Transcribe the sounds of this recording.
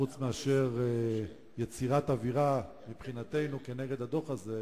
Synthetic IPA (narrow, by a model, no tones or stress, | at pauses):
ut͡smeaʃe̞ʁ | jet͡siʁat̪aviʁa | mipχinat̪e̞jnukeneɡe̞d̪ad̪o̞χaze